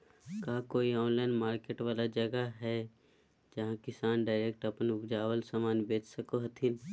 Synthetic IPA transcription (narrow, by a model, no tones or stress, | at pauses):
kaːkoːiɔːnlaːɪnmaːɾkeːʈʋaːlad͡ʒɐɡaɦɛ | d͡ʒɐɦãkɪsaːnɖaːɪɾek̚ʈɐpənʊɡd͡ʒaːwəlsamaːnbeːt͡ʃsəkoɦɐt̪ʰɪn